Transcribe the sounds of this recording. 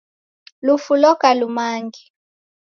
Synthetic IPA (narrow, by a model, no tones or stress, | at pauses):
lufulɔkalumaːŋɡi